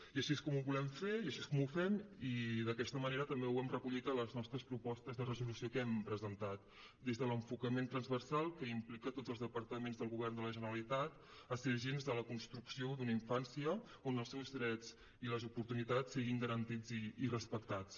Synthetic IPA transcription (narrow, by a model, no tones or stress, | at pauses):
iəʃieskɔmuβulɛmfeiəʃiskɔmufɛmiðəkɛst̪əməneɾət̪əmbewɛmrəkuʎit̪ələznɔst̪ɾəspɾupɔst̪əzðərəzulusiokɛmpɾəzənt̪at̪̚ | d̪ezðələɱfukəment̪ɾənzβərsalˠkəimplikət̪odzəlˠzðəpəɾt̪əmenzðəlˠɣuβɛrnd̪ələʒənəɾəlit̪at̪ | əseʒenzðələkunst̪ɾuksiod̪uniɱfansiə | onəlˠsɛwzðɾɛd͡z | iləzupuɾt̪unit̪at͡sːiɣiŋɡəɾənt̪id͡ziirəspəkt̪at͡s